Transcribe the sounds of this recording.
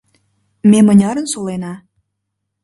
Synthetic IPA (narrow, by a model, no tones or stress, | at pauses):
memə̆nʲɑɾə̆nsolenɑ